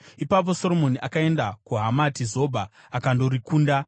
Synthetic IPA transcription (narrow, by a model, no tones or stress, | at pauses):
ipap̬o̞so̞ɾo̞mo̞niʔakae̞ndakuɦamatizo̞bʱaː | kando̞ɾikuːnda